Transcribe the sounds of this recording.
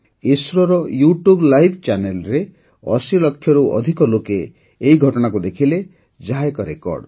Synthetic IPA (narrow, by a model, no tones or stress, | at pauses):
esɾɔɾɔjuʈjublajbʰt͡ʃanelɾe | ɔsilɔkʰːjɔɾuʔɔ̰d̪ʱikɔlokeː | iɡʱɔʈɔɽ̃akud̪ekʰile | d͡ʒaekɔɾekɔ̰ɾɖ